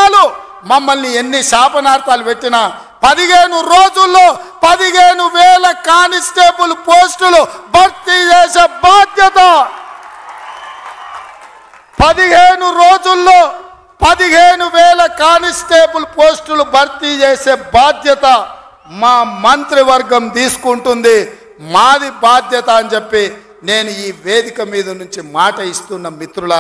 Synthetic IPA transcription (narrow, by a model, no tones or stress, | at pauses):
lu | mɐmːɐlnienːiʃaːpɐnaːɾt̪aːlupeʈːinaː | pɐd̪iɦeːnuɾoːd͡ʒulːoːpɐd̪iɦeːnuʋɛːlɐkaːnisʈeːpulupoːsʈulubʱɐɾt̪it͡ʃeːseːbaːd̪jɐt̪ɐ | pɐd̪iɦeːɳuɾo̞ːd͡ʒulːo̞ː | pɐd̪iɦeːnuʋɛːlɐkaːnisʈeːpulupoːsʈulubʱɐɾt̪it͡ʃeːse̞ːbaːd̪ʱjɐt̪ɐ | maːmɐnt̪ɾiʋɐɾɡɐmd̪iːsu̥kuɳʈund̪i | maːd̪ibaːd̪jɐt̪ɐːɐnt͡ʃepːi | ne̞ːnuiːʋe̞ːd̪ikɐmiːd̪ɐnuɲt͡ʃimaːʈɐist̪unːɐmit̪ɾulɐ